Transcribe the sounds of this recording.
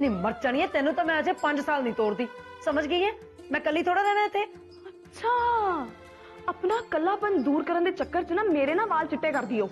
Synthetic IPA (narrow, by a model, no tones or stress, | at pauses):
nĩːməɾt͡ʃaɽ̃iːɛ̃ːt̪ɛːnũːt̪ãːmɛ̃ːəd͡ʒeːpəɲd͡ʒsaːlnĩːt̪oːɾd̪iː | səməd͡ʒɡəiːɛ̃ː | mɛ̃ːkəlːiːt̪ʰoːɽaːɾɛːnãːɪt̪ʰːeː | ətːʃʰaː | əpnaːkəlːaːpənd̪uːɾkəɾənd̪eːt͡ʃəkːəɾt͡ʃnaːmeːɾeːnãːbaːlt͡ʃɪʈːeːkəɾd̪iːoː